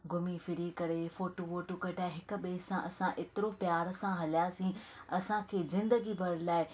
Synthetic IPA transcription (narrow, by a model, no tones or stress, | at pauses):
ɡʊmifɪɾikɐɾefoːʈoʋoːʈokɐʈʰaɦɪkʊ̆ɓeːsãʔɐsãʔɪt̪ɪɾopjaːɾsãɦɐljasĩ | ɐsãkʰeːzɪ̃nd̪əɡibʱɐɾlaːɪ